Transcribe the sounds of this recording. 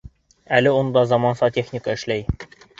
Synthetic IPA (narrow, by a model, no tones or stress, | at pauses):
ælɘund̪ɑzɑmɑnsɑt̪ʲeχnʲikəɘ̆ʃlæj